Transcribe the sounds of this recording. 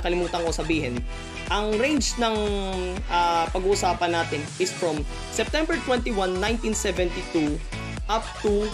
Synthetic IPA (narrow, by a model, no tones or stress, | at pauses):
kɐlɪmuːt̪ɐŋkosɐbiːɦɛn | ʔɐŋɾẽjnd͡ʒnɐŋʔapɐɡuːʔʊsaːpɐnːaːt̪ɪnʔɪsfɹɐm | sɛp̚t̪ɛ̃mbɛɹt̪wɛ̃nt̪iwanːãj̃nt̪insɛvɛ̃nt̪it̪u | ʔap̚t̪u